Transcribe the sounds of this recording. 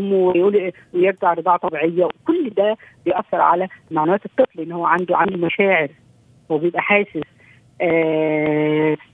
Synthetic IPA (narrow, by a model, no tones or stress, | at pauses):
mːwjuːlʔ | wejeɾd͡ʒaʕɾɨd̪ˤɑːʕt̪ˤɑbiʕejːæwekolːd̪æbejʔæθːɑɾˤʕa̰læmaʕnæwæːt̪et̪ˤːɨt̪ˤlʔenːhowːæʕand̪uʕand̪umæʃæːʕeɾ | howːæbejebʔæħaːsɪs | ʔː